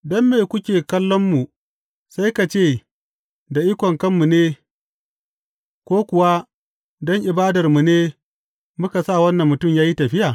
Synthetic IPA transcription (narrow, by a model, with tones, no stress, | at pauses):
dɔ˦mːeː˨kʷʊ˦kʲeː˨kɐ˦lːɔ˦mːu˨ | sa˦jka˨t͡ʃeː˦˨ | da˨ʔi˦kʷɔ˨ŋkɐ˦mːu˨neː˦ | kʷoː˦kʷʊ˨wa˦ | dɔ˦ŋʔɪ˨baː˦dɐ˨rmu˨neː˦ | mʊ˦ka˨sa˦˨wɐ˦nːɐ˨mːʊ˨tʊ˦˨mjaː˦ji˦tɐ˨ɸɪ˦jaː˨